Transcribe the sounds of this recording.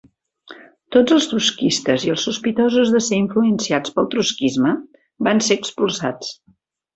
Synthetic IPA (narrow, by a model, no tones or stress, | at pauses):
t̪od͡zəlˠst̪uskist̪əziəlˠsuspit̪ɔzuzðəseiɱfluənsiat͡spəlˠt̪ɾuskizmə | banseəkspulˠsa̰t͡s